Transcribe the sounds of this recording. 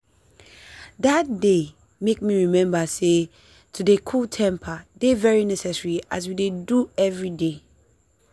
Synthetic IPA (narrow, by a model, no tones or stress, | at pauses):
dat̚de | mek̚miɹimɛ̃mbase | tʰudekʰutʰɛ̃mpʰadevɛɹinɛsɛsɹiʔazwideduɛvɹide